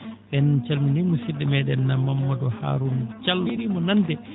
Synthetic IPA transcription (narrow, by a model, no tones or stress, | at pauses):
ɓɛnt͡ʃalminimusidɛmɛɗɛnːamːamːadɔha̰ːɾunt͡ʃalɾimɔnandɛ